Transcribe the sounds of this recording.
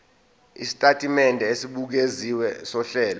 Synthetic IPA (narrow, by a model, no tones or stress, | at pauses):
ḭsi̥tʼatʼimɛndʱɛesiɓuk̬eziwɛsɔɬɛːlɔ